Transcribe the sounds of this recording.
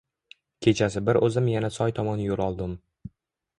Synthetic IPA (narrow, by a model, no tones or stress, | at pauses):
kʲʰe̞t͡ʃʰasɪbɪɾʔɵzɪmjanasɒjt̪ʰɒmɒnjolˠɒlˠd̪ɪm